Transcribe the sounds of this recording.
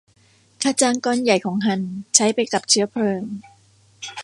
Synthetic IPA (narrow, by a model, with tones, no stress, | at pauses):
kʰaː˧t͡ɕaː˧ŋkɔː˧nja˨˩jkʰɔː˩˦ŋkʰa˧˩nt͡ɕʰa˦˥jpa˧jka˨˩p̚t͡ɕʰɯ˦˥ɐpʰlɤː˧ŋ